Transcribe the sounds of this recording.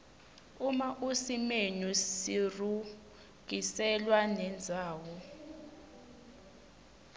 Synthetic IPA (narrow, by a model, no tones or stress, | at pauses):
umaʔusimenusiru | ɡ̥isɛlwanɛnd͡zʱaːwɔ